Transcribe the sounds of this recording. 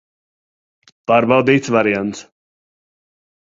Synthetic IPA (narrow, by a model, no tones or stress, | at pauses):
paɾbawd̪iːt̪svaɾiant̪s